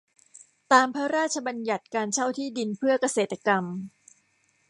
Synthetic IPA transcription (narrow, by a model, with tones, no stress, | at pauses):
t̪aː˧mpʰɾa˦˥ɾaː˥˩t̪̚t͡ɕʰa˧ba˧nja˨˩t̪̚kaː˧nt͡ɕʰa˥˩wt̪ʰiː˥˩di˧npʰɯ˥˩ɐka˧seː˨˩t̪ːa˧ka˧m